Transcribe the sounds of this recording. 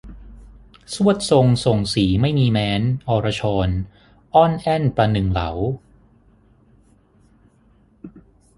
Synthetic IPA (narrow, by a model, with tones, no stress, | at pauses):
su˥˩ət̪̚so˧ŋso˨˩ŋsiː˩˦ma˥˩jmiː˧mɛː˦˧˥nʔɔː˧ɾa˧t͡ɕʰɔː˧n | ʔɔ˥˩nʔɛ˥˩npɾa˧nɯ˨˩ŋla̰˩˦w